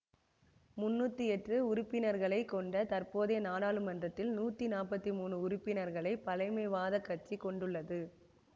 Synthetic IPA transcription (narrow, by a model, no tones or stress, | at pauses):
mʊnːuːt̪ːɯɛʈrɯʊɾʊpːɪnɐɾɣɐɭɐɪkːɔɳɖɐt̪ɐɾpoːðeːnaːɽaːɭɯmɐndrɐt̪ːɪlnuːt̪ːinaːpɐt̪ːimuːnɯʊɾʊpːɪnɐɾɣɐɭɐɪpɐlɐɪmɐɪʋaːðɐkːɐʈ̚t͡ʃikɔɳɖɯɭːɐðɯ